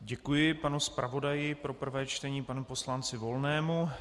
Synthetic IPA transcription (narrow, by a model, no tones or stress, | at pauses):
ɟɛkujɪpanuspɾavo̞dajɪpɾo̞pr̩vɛːt͡ʃt̪ɛɲiːpanupo̞slant͡sɪvo̞lnɛːmu